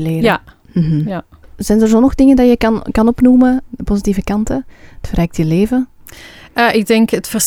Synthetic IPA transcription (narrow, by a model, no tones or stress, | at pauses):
leːrəa | m̩ɦ̩ | zɛjndərzoːnɔɣdɪŋəndɑjəkɑnkɑnɔpnuːməəpozitiːvəkɑntəətfərɛːk̚tjəleːvə | əːʔɪɡ̚dɛŋkətfərs